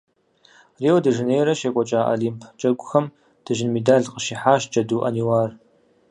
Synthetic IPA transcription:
reːwdɐʒɨneːjɾɐʃeːkʷʼɔt͡ʃʼaːʔɐ̰limpʰt͡ʃʼɐɡʷʼʊxɐm | d̥ɐʒɪnmedaːɮqəʃiħaːʃ̚d͡ʒʼɐduːʔɐniwaːr

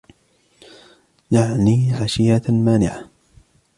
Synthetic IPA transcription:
jaʕniːʕaʃɪjamaːnɪʕa

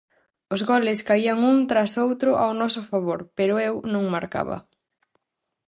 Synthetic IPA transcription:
ʊzɣɔlɪskaiɐŋuŋt̪ɾasowt̪ɾʊʔawnɔsʊfaβoɾpeɾʊewnõŋmaɾka̰βɐ̰

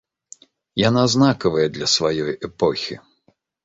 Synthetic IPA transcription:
janaznakɐvɐjɐd̪lʲɐsvajɔjɛpɔxʲḭ

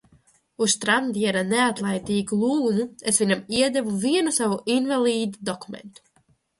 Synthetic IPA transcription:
ust̪ɾand̪iɛɾaneat̪lˠajt̪iːɡulˠuːnuesviɲamiɛd̪ɛvuviɛnusavuʔinvalˠiːd̪ud̪ɔkumḛnt̪u̥

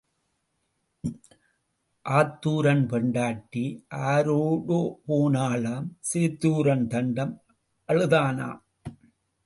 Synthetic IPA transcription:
ʔaːt̪ːuːɾɐnpɛɳɖaːʈːiʔaːɾoːɽoːpoːnaːlaːmseːt̪ːuːɾɐnt̪ɐɳɖɐm | ʔɐɻɯðaːna̰ːm

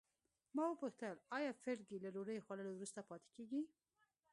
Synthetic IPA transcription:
mɑwəpəxt̪alɑjɑfɪɾɡilaɾoɾəjxwaləlowɾust̪apʰɑt̪e̥keɡi

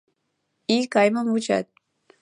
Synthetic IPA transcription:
ikajməmut͡ʃa̰t̪̚

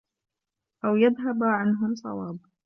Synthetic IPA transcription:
ʔawjaðɦabʕanɦʊmsˤɑ̰wɑːb

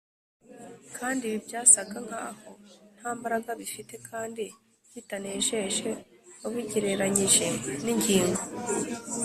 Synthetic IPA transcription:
kʰaːndiβibjaːsaɡaŋ̥haho̞n̥haːmbaɾaɡaβifite̞kʰaːndi | jitaneːʃe̞ʃe̞oβiɟeɾe̞ɾaɲiʒe̞niɲɟiːŋɡo

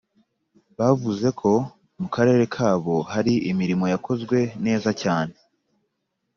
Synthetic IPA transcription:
βavuze̞kʰo̞ | mukaɾe̞ːɾe̞kʰaːβo̞haɾiʔimiɾimo̞jako̞zɡwe̞ne̞ːzacaːne̞

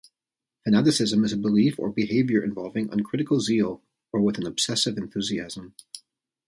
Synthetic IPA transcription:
fɨnæɾɨsɪzɨ̃mɨzɨbəlifə̰˞bɨheɪvjə˞ʔɨ̰̃ɱvɑlˠvɪ̃ŋʔə̰̃nkʰɹ̥ɪɾɨkl̩ˠzilˠ | ə˞wəð̃n̩əb̥sɛsɨvɨ̃nθʉziæzə̃m

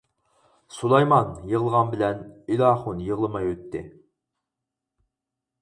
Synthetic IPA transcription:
sulˠɑjmɑnjəʁlˠəʁɑnbɪlɛnilɑːχʊnjəʁlˠɨmɑjwøt̪ʰːɪ̰

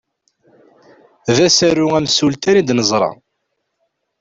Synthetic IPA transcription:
ðæsæɾʊæmsult̪ænid̪nəzˤɾˤɑ̰

